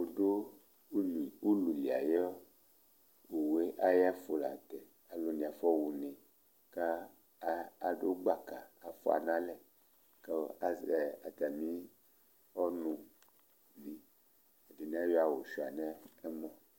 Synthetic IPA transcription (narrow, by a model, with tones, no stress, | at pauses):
o˨do˦˨ | u˦lu˨li˨a˨jɛ˦ | wo˨we˦ʔa˦ja˦fo˨la̰˨t̪ɛ˨ | a˨lo˨nĩ˨a˨fɔ˦wu˨ne˨ | ka˦ | a˨do˦ɡ͡ba˦ka˨a˨fo˦a̰˨nã˦lɛ˦ | ka˦˨ | a˨t̪a˨mĩ˦ | ɔ˦nũ˨ | ni˨ | a˨di˨nĩ˨˦a˦jɔ˦a˨wo˨ʃi˨a˨nɛ˦ɛ˦mɔ̃˦